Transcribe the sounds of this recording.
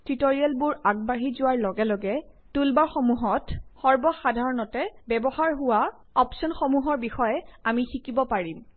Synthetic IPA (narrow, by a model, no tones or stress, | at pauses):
tɹitoɹiɛlbʊɹaɡ̚baɦizʊwaɹlɔɡɛlɔɡɛ | tulbaɹxɔmuɦɔtxɔɹbɔxadʱaɹɔnɔtɛbɛbɔhaɹɦʊwa | ɔpsɔnxɔmuɦɔɹbixɔjɛamixikibɔpaɹim